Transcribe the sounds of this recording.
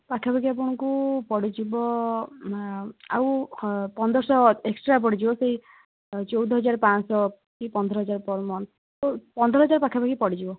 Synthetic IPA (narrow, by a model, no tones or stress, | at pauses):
pakʰapaɡiap̬ɔɽ̃ɔkupɔɽid͡ʒibɔ | a̰wpɔnd̪ʱɔɾsɔeksʈɾap̬ɔɽid͡ʒibɔseɦi | t͡ʃɔwd̪ʱɔɦɔd͡ʒaɾpãsɔ | kipɔnd̪ʱɾɔɦɔd͡ʒaɾɔpɔɾmɔn | opɔnd̪ʱɾɔɦɔd͡ʒaɾpakʰabaɡipɔɽid͡ʒibɔ